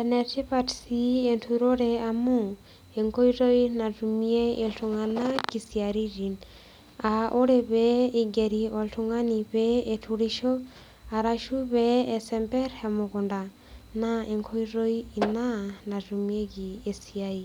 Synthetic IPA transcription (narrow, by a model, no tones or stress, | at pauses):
enɛtipatsientʰuɾoɾeamu | eŋkoiɾoinatumiɛeɬuŋanakisiaɾiɾin | aʔoɾeβɛiɡeɾiɔltuŋaniβɛetʰuɾiʃɔ | aɾaʃuβɛɛsɛmpɛɾhɛmukunda | naʔeŋkʰoiɾoiinanatumiekiesiai